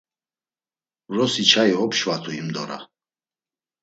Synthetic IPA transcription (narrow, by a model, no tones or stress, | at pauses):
ɾɔsit͡ʃʰaiɦɔpʃvat̪ʰuimd̪ɔ̰ɾa̰